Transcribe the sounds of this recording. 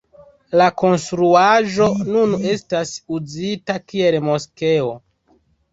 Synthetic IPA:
lako̞nstɾuaʒo̞nune̞stasuzitakie̞lmo̞ske̞o̞

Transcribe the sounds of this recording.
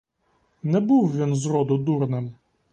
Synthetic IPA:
nɛbuwʋʲinzɾɔd̪ʊd̪urnɪm

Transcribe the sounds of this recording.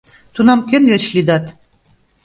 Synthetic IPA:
t̪unɑmkʲɘ̆nvet͡ɕlid̪ɑt̪

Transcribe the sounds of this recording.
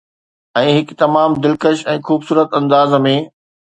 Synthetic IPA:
ɛ̃ːɦɪkt̪ɐmaːmd̪ɪlkəʃɛ̃ːxuːbsuːɾət̪ɐ̃nd̪aːzmẽ

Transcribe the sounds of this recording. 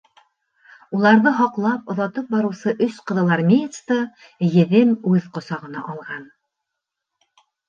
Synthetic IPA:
ulˠɑɾðɤɦɑqlˠɑpŏðɑt̪ɤp̚bɑɾɤ̆wsɤʔɵsqɤ̆ðɤ̆lˠɑɾmʲejt̪st̪ɤ | jɘ̆ðɘmʉðqŏsɑʁɤ̆nɑ̰ʔɑlˠʁɑn

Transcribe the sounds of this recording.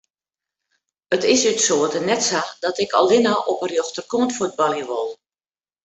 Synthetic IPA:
ətɪsytsoətənɛtsadɔtɪkɔ̰lˠɪnaʔɔpərjoxtərkoəntfud̚bɔljəʋolˠ

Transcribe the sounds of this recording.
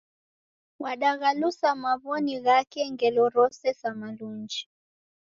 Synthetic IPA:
waɗaɣalusamaβɔniɣakɛŋɡɛlɔɾɔsɛsamaluɲd͡ʒi

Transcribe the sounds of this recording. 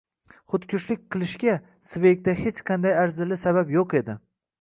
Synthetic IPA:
χʊt̪kʲʰʊʃlɪk̚ʲqʰɨlˠɪʃɡʲa | svejk̚ʲt̪ahet͡ʃqʰɑnd̪ajaɾzɪlɪsaβapjoqe̞d̪ɪ

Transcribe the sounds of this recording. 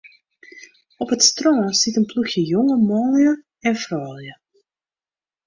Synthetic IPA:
ɔpətstrɔːsitənpluxjəjoŋəmɔːljə | ɛnfrɔːlˠjə

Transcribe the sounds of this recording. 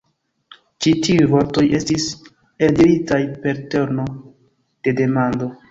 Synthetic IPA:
t͡ʃitiujvo̞ɾto̞je̞stis | eldiɾitajpe̞ɾte̞ɾno̞ | d̥e̞de̞mando̞

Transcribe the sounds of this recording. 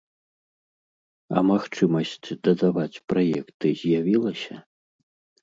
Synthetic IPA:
ɐ̰maxt͡ʂɨmɐsʲt͡sʲd̪ɐd̪avat͡sʲpɾajɛkt̪ɨzʲjavʲilˠɐsʲɐ

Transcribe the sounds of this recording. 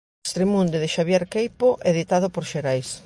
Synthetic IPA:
st̪ɾemũnd̪eðɪʃaβjeɾkejpoʔeðit̪að̞opoɾʃeɾajs

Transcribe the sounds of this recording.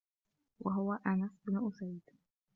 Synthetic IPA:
wʔa̰ɦʊwaʔanasbnʊʔʊsajd̪

